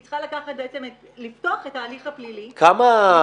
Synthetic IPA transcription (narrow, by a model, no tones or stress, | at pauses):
t͡sχalakaχat̚beet͡seme | liftoaχetaːliχhaplilikʰama